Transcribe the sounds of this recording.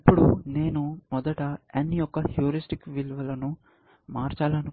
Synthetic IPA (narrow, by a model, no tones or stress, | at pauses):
ɐpːuɽune̞ːnumɔd̪ɐʈɐɐnːijɔkːɐhjuːɾisʈikʋilʋɐlɐnu | maːɾt͡ʃaːlɐɐnu